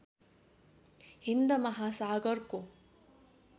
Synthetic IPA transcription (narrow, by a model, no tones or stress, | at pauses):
hind̪ɐmɐɦasaːɡɐɾko